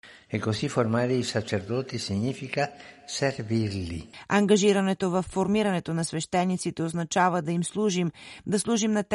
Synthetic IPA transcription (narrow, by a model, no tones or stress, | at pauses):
ɛkːosifoɾmaɾɛisat͡ʃɛɾd̪ɔt̪isiɲifikaserviɾlḭɐŋɡɐʒiɾɐnɛt̪ovɐfːoɾmiɾɐnɛt̪onɐsvɛʃt̪ɛnːit̪sit̪ɛoznɐt͡ʃavɐd̪ɐimslˠuʒimd̪ɐslˠuʒimnɐt̪